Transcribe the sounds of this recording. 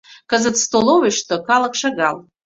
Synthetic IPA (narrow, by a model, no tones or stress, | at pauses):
kʰəzɨtst̪oloveʂt̪okʰalakʂaɡa̰l